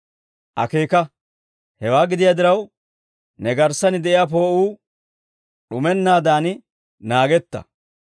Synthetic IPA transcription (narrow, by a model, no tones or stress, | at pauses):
ʔɐ̰keːkɐ | hɛwaːɡɪd̪ɪjad̪ɪɾɐw | nɛɡɐɾsɐnɪd̪ɛʔɪjaːp̬o̞ːʔuː | ɗʊmɛnːaːd̪aːnɪ | naːɡɛt̪ːɐ̰